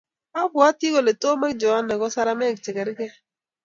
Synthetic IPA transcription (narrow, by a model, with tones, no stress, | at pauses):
a˦bwa˦ti˦ko˨le˨to˦ma˦kd͡ʒɔ˨a˦na˨kɔ˦sa˦ɾa˦mɛ˦˨k̚t͡ʃɛ˨ɡɛ˨ɾɡɛ˦